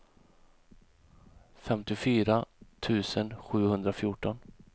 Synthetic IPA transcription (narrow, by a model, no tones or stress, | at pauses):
fɛmt̪ɪfyːɾat̪ʰʉ̟ːsənɧʉ̟ːhɵnd̪ɾafjʊʈɔn